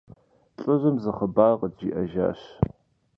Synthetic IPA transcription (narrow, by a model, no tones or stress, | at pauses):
ɬʼɨʒʷɐmzɨχəbaːʁədd͡ʒiːʔɐʒa̰ːɕ